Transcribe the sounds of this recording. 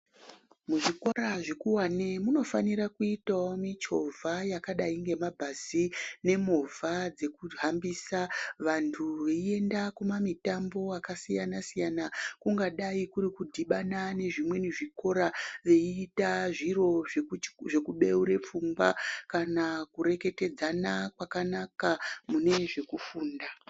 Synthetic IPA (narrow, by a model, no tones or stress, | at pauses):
muʐiko̞ɾaʐekuwanemuno̞faniɾakuitawomit͡ʃo̞vʱajakaɗaiŋɡe̞mabʱasine̞movʱad͡ze̞kuɦambisaʋantʰuʋeie̞ndakumamitambo̞akasijanasijanakuŋɡaɗaikuɾikudʱiɓanane̞ʐimwe̞niʐiko̞ɾaʋe̞iːtaʐiro̞ʐeʐe̞kuɓe̞uɾe̞p͡fumbakanakuɾe̞ke̞te̞d͡zanakwakanakamune̞ʐe̞kufuːnda